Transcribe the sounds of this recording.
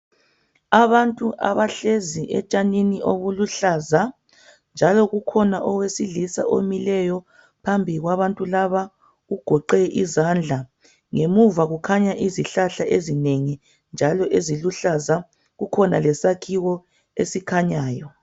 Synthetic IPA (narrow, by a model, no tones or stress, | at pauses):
aβantʼuʔa̰βaɬeziʔɛt͡ʃʼaniniʔoβuluɬaːza | nd͡ʒʱalɔɣukʰɔnaʔɔɣwesiɮisa̰ʔo̰milɛjɔ | pʰambʱiɣwaβantʼulaβa | ɣuɡ̥ʱɔǃɛʔizand͡ɮʱa | ŋemuvaɣukʰaɲaʔiziɬaɬaʔezineŋi | nd͡ʒʱalɔʔeziluɬaza | ɣukʰɔnalɛsakʰiwɔ | esikʰaɲaːjɔ